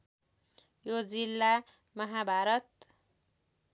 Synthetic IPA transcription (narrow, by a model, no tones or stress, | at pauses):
jod͡zilːa | mʌɦabʱaɾʌt̪̚